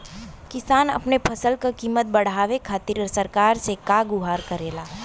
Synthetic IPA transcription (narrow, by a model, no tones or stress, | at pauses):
kɪsaːnɐ̰pnepʰɐsəlkakiːmət̪̚bɐɽ̤aːʋekʰaːt̪iɾsɐɾkaːɾsekaɡʊɦaːɾkɐɾeːlaː